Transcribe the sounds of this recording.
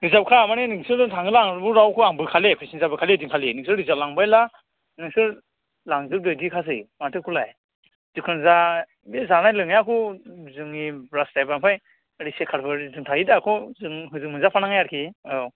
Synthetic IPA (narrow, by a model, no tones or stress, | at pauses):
ɾizap̚kʰamanenɯŋsɯɾdɯŋtʰaŋɯlaŋbɯɾawkʰɯaŋbɯkʰalepʰajsinzabɯkʰalediŋkʰalinɯŋsɯɾɾizap̚laŋbajla | nɯŋsɯɾ | laŋzɯɾ̚dɯjdikʰas̬ɯjmatʰɯkʰulaj | z̥ɯkʰɯnza | bezanajlɯŋjakʰɯwzɯŋibɾastajbaŋpʰaj | ɾisekʰaɾbɯɾzɯŋtʰaidakʰɔzɯŋɦɯzɯŋmɯnzapʰanaŋajaɾkʰiajɔ